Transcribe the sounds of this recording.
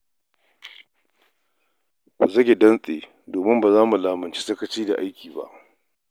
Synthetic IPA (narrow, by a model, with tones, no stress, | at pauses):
ba˨zɐ˦ɡʲe˨dɐ˦nsʼḛː˨ | doː˨mɪ˦mbaː˨zaː˦mu˨laː˨mɐ˨nt͡ʃi̥˦sɐ˦kɐ˦t͡ʃiː˦da̰˨ʔa˦jkʲiː˨ba̰˦ʔ